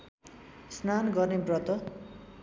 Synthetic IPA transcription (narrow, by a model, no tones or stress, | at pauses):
snanɡʌrnebrʌt̪ʌ